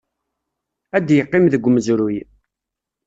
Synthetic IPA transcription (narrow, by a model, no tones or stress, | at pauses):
æd̪jəqːɪmðəɡʷməzɾuj